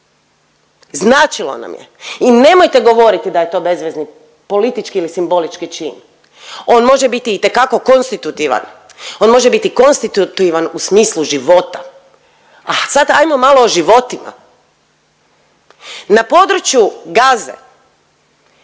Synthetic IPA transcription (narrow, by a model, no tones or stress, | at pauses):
znaːt͡ʃilˠo̰na̰mjḛine̞mo̞jt̪e̞ɡo̞ʋo̞ɾit̪id̪ajet̪o̞be̞zʋezni | po̞lit̪it͡ʃkiilisimbo̞lit͡ʃkit͡ʃiːn | o̞ːnmo̞ʒebit̪iːt̪ekako̞ko̞nst̪it̪ut̪iʋa̰n | o̞ːnmo̞ʒebit̪iko̞nst̪it̪ut̪uiʋanusmiːslˠuʒiʋo̞t̪a | asat̪ajmomalˠo̞ːʒiʋo̞t̪ima̰ | napo̞d̪ɾut͡ʃjuɡaːzḛ